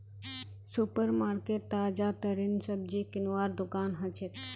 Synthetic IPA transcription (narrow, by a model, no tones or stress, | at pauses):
supəɾmaːɾkeːʈ̚t̪aːd͡ʒat̪əɾinsəb̚d͡ʒiːkɪnwaːɾd̪ʊkaːnɦɐt͡ʃʰet̪